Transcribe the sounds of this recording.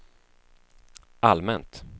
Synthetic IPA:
ʔalmɛnt̪

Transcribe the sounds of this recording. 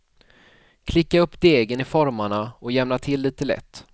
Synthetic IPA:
kʰlɪkːaɵpːd̪eːɡənɪfɔɾmaɳaɔjɛmnat̪ʰɪlːiːt̪əlɛ̰t̪ː

